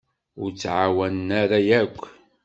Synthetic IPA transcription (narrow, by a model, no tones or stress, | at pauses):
ʊɾt͡sːʕawænnæɾajækʷː